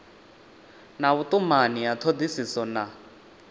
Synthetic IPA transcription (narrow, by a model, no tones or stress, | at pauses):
naβut̪ʼumanijat̪ʰod̪isisɔna